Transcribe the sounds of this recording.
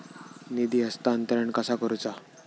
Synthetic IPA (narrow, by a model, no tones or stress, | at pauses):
nid̪iːəst̪aːnt̪əɾəɳkəsakəɾut͡sa